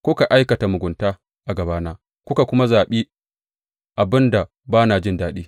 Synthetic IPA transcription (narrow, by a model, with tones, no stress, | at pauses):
kʷʊ˦ka˨ʔa˦jkɐ˨ta˨mʊ˨ɡʷʊ˨ntaː˦ | ʔa˨ɡɐ˨baː˦naː˦ | kʷʊ˦ka˨kʷʊ˦ma˦zaː˨ɓiː˦ | ʔa˨bɪ˦nda˨ | baː˦naː˨d͡ʒɪ˦ndaː˦ɗiː˦